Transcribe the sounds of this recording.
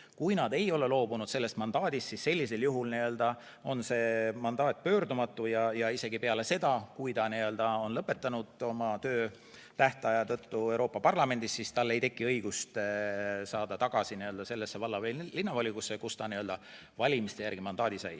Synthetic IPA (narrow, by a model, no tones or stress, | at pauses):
kujnɑd̪e̞jo̞le̞lo̞ːbunud̪̥se̞lːe̞st̪mɑnd̪̥ɑːd̪ist̪sisse̞lʲːise̞ljuɦulniø̞ld̪̥ɑ | o̞nse̞ːmɑnd̪̥ɑːt̪̚ːˑpø̞ːɾd̪umɑt̪ːˑujɑjɑise̞ɡipe̞ɑle̞se̞d̪ɑkujt̪ɑniø̞ld̪̥ɑo̞nlɤpːˑe̞t̪ːˑɑnud̪̥o̞mɑt̪ø̞ː | t̪æht̪ɑjɑt̪ɤt̪ːue̞wɾo̞ːpːˑɑpɑrlɑme̞nd̪istːsist̪ɑlːe̞jt̪e̞kːiɤjɡ̥ust̪ | sɑːd̪̥ɑt̪ɑɡ̥ɑsiniø̞ld̪ɑse̞lːe̞sːe̞vɑlːɑvellinːɑvɑlʲikusːekust̪ɑniø̞ld̪ɑ | vɑlʲimist̪e̞jærɡ̥imɑnd̪̥ɑːd̪isɑj